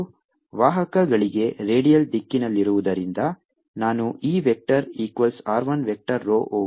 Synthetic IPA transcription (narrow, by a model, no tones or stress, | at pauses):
ʋaːɦɐkɐɡɐɭiɡe̞ɾe̞ːɖijɐlɖikːinɐlːiɾuʋud̪ɐɾind̪ɐ | naːnuiːʋek̚ʈɐɾiːkʋɐlsaːɾʋɐnʋek̚ʈɐɾːoːʔoː